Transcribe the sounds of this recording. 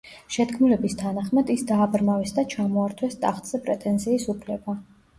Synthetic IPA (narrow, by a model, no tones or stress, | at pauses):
ʃɛt̪kʰmulɛbist̪ʰanaχmad̪isd̪aːbɾmavɛsd̪at͡ʃʰamɔaɾt̪ʰwɛst̪ʼaχt̪ʼz̥ɛpʼɾɛt̪ʼɛnziːsupʰlɛba